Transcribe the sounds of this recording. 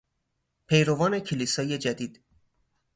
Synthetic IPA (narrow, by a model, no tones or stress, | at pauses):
pʰe̞jɾovɒːne̞cʰeliːsɒːje̞d͡ʒæd̪iːd̪̥